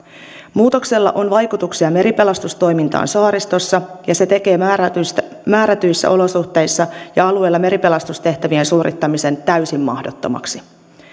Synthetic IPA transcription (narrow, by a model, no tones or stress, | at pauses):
muːt̪o̞kse̞lːɑ̰ʔo̞nʋɑjkut̪uksiɑme̞ɾipe̞lɑst̪ust̪o̞jmint̪ɑ̰ːnsɑːɾist̪o̞sːɑjɑse̞t̪e̞ke̞ː | mæːɾæt̪yjsːæ̰ʔo̞lo̞suht̪e̞jsːɑjɑɑlue̞lːɑme̞ɾipe̞lɑst̪ust̪e̞ht̪æʋiensuːɾʔit̪ːɑmise̞nt̪æysimːɑhdot̪ːo̞̰mɑ̰ksi̥